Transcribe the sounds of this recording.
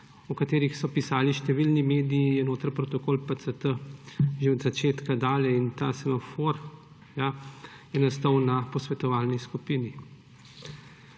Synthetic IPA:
ukat̪eːɾixsɔpisaːliʃt̪ɛʋilnimeːd̪iijɛnoːt̪ɾəɾpɾɔt̪ɔkoːlpəsət̪əʒeɔd̪zat͡ʃeːt̪kad̪aːljɛint̪aːsɛmafoɾ | ja | jɛnast̪ɔwnapɔsʋɛt̪ɔʋaːlniskupiːni

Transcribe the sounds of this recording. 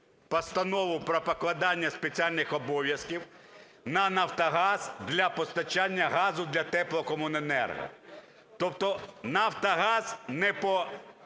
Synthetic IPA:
pɐst̪ɐnɔʋʊpɾɔpɐklˠɐd̪ɑnʲːɐspet͡sʲialʲnɪxɔbɔʋʲjɐskʲiw | nɐnɐwt̪ɐɦɑz̥d̪lʲɐpɔst̪ɐt͡ʃanʲːɐɦɑzʊd̪lʲɐt̪ɛplˠɔkɔmʊnenɛ̰rɦɐ̰ | t̪ɔpt̪ɔnawt̪ɐɦɑz̥nɛpɔ

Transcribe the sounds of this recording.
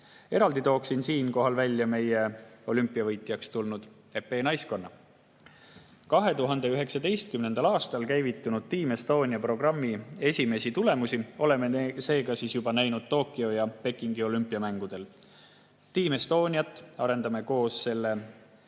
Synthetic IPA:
e̞ɾɑld̪it̪o̞ːksinsiːnko̞ɦɑlvælʲːjɑme̞je̞o̞lympːˑiɑvɤjt̪ˑjɑkst̪ulnud̪̥ | e̞pːe̞ːnɑjsko̞nːɑ | kɑɦe̞t̪uɦɑnd̪e̞yɦe̞ksɑd̪e̞jst̪̚kymne̞nd̪̥ɑlɑːst̪ɑlkæjvit̪ːˑunud̪̥̚t̪iːme̞st̪o̞ːnʲiɑpro̞ɡrɑmːie̞sʲime̞sit̪ule̞musio̞le̞mese̞ːɡ̥ɑsiːsjub̥ɑnæjnud̪̥̚t̪o̞ːkːˑio̞jɑpe̞kːˑiŋɡio̞lympːˑiɑmæŋɡ̥ud̪̥e̞l | t̪iːmest̪o̞ːnʲiɑt̪ːˑɑɾe̞nd̪̥ɑme̞ko̞ːsse̞lːe̞

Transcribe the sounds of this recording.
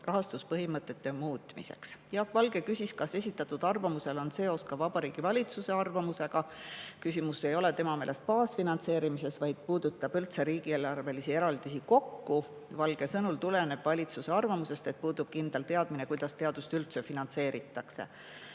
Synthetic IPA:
rɑɦɑst̪uspɤɦimɤt̪ːˑe̞t̪ːe̞muːt̪ˑmḭse̞̰ksjɑkvɑlɡ̥e̞kysʲiskɑse̞sʲit̪ːˑɑt̪ːˑud̪̥ɑrvɑmuse̞lo̞nse̞ːo̞skɑvɑb̥ɑɾiːɡ̥ivɑlʲit̪suse̞ɑrvɑmuse̞ɡ̥ɑkysʲimusːe̞jo̞le̞t̪e̞mɑme̞ːlʔe̞st̪̚pɑːsfinɑnt̪se̞ːɾimise̞svɑjd̪̥̚puːd̪̥ut̪ːˑɑb̥ylt̪se̞ɾiːɡ̥ieːlɑrve̞lisie̞ɾɑld̪̥isiko̞kːu | vɑlɡ̥e̞sɤnult̪ulene̞b̥vɑlʲit̪suse̞ɑrvɑmuse̞st̪e̞t̪̚puːd̪ub̥̚kind̪̥elt̪e̞ɑd̪̥mine̞kujd̪̥ɑst̪e̞ɑd̪̥ust̪ylt̪se̞finɑnse̞ːɾit̪ːˑɑkse̞̰

